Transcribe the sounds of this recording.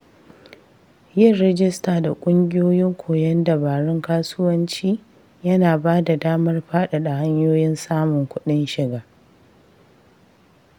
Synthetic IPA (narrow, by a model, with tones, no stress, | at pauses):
jɪ˦˨rːɛ˦d͡ʒɪ˦staː˨da˨kʷʼʊ˦ŋɡʲɪ˦joː˦jɪ˦ŋkʷʰoː˨jɐ˦ndɐ˨baː˨ɾɪ˦ŋkaː˦sʊ˦wɐ˦nt͡ʃiː˦ | jɐ˦naː˨baː˦da˨daː˦mɐ˦rɸaː˦ɗa˨ɗa˨ha˦ɲjoː˦jɪ˦nsaː˦mʊ˨ŋkʷʊ˦ɗɪ˦nʃɪ˨ɡaː˨